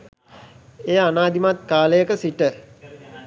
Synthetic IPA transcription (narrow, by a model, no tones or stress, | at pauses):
eːanaːd̪imat̪̚kaːləjəkəsiʈə